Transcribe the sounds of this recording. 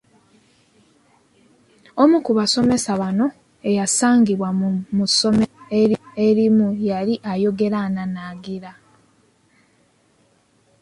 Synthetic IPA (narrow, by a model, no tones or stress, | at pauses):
omukuβaso̞me̞saβano̞ | e̞jasaːŋɡiβwamuso̞meeɾie̞ɾimujaɾiʔajo̞ɡe̞ɾananaɡiɾa